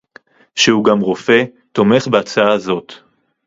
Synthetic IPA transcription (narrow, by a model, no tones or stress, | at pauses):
ʃeuɡamʁo̞fe̞ | t̪o̞me̞χbeat͡saazo̞t̪